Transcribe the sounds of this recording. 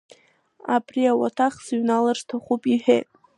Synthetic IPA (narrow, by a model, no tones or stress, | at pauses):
abriawatʰaχsɥnalarʂtʰaχʷupʼiħᶣejtʼ